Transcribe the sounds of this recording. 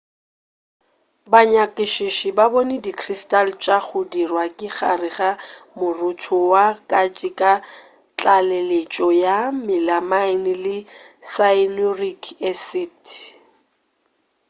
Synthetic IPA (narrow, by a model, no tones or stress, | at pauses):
baɲakʼɪʃɪʃɪbabɔnɪdikʰristalt͡ʃʼak͡xʰʊdirwakʼɪχa̰rɪχamʊrʊtʰʊwakʼat͡ʃʼɪkʼa | t͡ɬʼalelet͡ʃʼɔjamɪlamaɪnɪlɪsaɪnorikʼʰɛsɪtʰ